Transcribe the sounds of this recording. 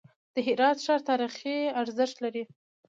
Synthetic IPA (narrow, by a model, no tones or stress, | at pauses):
d̪̥əɦɪɾɑt̪ʃɑɾt̪ɑɾixiaɾzəʃt̪laɾi